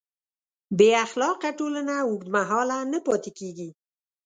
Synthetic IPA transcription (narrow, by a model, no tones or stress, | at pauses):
beaxlɑqaʈolənaʊɡd̪maɦɑlanəpɔt̪ekeɡi